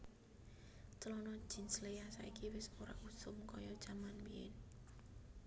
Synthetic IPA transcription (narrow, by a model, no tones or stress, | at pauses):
t͡ʃəlɔnɔd̥ʒ̥i̤nslejasaikiwɪsoɾa̰ʔusʊmkɔjɔd̥ʒ̥amanwiɪ̰n